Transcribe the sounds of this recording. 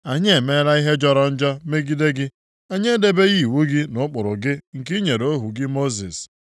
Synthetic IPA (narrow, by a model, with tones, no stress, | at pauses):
a˨ɲe˦e˨me˦ɾa˦i˦ɦe˦d͡ʒɔ˦ɾɔ˦n̩˦d͡ʒɔ˦me˦ɡi˦de˦ɡɪ˦ | a˦ɲe˦de˦be˦ɣi˦˨wu˦ɡɪ˦nʊ˦k͡pʊ˨ɾʊ˨ɡɪ˦ŋ̩˨ki˦ɲe˨ɾo˦ɦu˨ɡɪ˦mo˦zi˨s